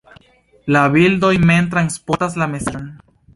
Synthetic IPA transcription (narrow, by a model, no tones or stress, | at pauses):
laβild̪ojment̪ɾanspotas̬lamesan